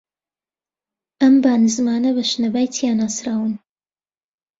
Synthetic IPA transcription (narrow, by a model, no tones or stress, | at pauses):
ɐmbaːnɨzmaːnɐβɐʃnɐbaːjt̪ʰijanaːsɾaːwɨn